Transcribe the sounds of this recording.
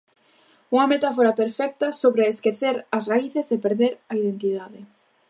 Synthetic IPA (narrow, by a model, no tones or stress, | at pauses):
uŋɐmet̪afoɾɐpeɾfɛk̚t̪ɐsoβɾɪeskeθeɾɐsraiθesepeɾðeɾɐið̞ent̪iðaðɪ